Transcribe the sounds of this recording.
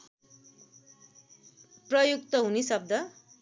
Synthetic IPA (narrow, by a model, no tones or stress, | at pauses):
prʌjuk̚t̪ʌɦunisʌb̚d̪ʱʌ